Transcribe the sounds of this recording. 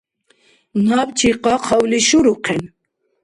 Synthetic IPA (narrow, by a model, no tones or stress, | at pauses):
nabt͡ʃʰiqɑqʰɑwliʃuɾuqʰɛn